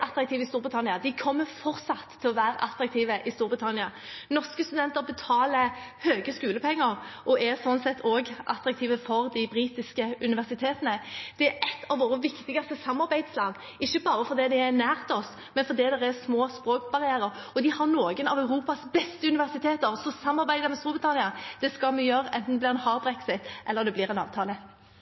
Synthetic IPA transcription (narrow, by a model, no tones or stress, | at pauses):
ʔɑt̪ɾɑk̚t̪iːʋəɪst̪uːɾbʁɪt̪ʰɑnɪɑd̪ɪkʰɔmːəfɔɾsɑt̪ʰːɪlɔʋæːɾəʔɑt̪ɾɑk̚t̪ʰiːʋəʔɪst̪uːɾbʁɪt̪ʰɑnɪɑnɔskəst̪ʉd̪ɛnt̪əɾbət̪ʰɑːləhøːɡəskʉːləpʰɛŋːəɾʔɔʔɛsɔnsɛt̪ʰːoːɡʔɑ̰t̪ɾɑk̚t̪ʰiːʋəfɔɾd̪ɪbɾiːt̪ɪskəʉnɪʋæʁsɪt̪ʰeːt̪ənəd̪̥ɛæɾʔɛt̪ʰːɑʋʋoːɾəʋɪkt̪ɪɡɑst̪əsɑmːɑɾbæɪd̪slɑːd̪ | ɪçːəbɑːɾəfɔɾd̪ɛːd̪ɪæɾnæːʁt̪ʰɔs | mɛnfɔɾd̪iːd̪ɛɾæsmoːspɾoːkbɑʁɪæːɾəɾɔd̪ɪhɑɾnoːɡənɑʋæʉɾuːpɑsbɛst̪əʉnɪʋæʁsɪt̪ʰeːt̪əɾsɔsɑmːɑɾbæɪd̪əɾmɛst̪uːbʁɪt̪ʰɑnɪɑd̪̥ɛskɑlmɛjøɾʔɛnt̪n̩ɛblɪːʁɛnhɑːʁbɾɛksɪt̪ʔɛlːəʁd̪ɛblɪːɾɛnɑ̰ːʋt̪ʰɑːlə